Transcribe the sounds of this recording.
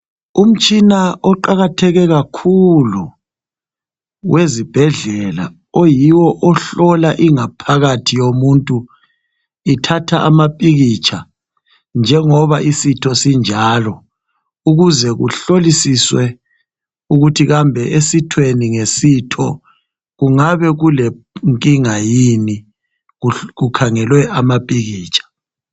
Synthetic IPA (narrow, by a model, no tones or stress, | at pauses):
um̩t͡ʃʼinaɔǃaɣatʰɛɣɛɣakʰulu | wezib̥ʱɛɮɛla̰ | ojiwɔʔɔɬɔlaʔiŋapʰaɣatʰijomuntʼu | itʰatʰaʔa̰mapʼiɣit͡ʃʼʰa | nd͡ʒʱɛŋɔβaʔisitʰɔsind͡ʒʱaːlɔ | uɣuzɛɣṵɬolisiswɛ | uɣutʰiɣambʱɛʔesitʰweniŋesitʰɔ | ɣuŋaβɛɣulɛ | ŋkʼiŋajini | ɣukʰaŋɛlwɛamapʼiɣiːt͡ʃʰʼḁ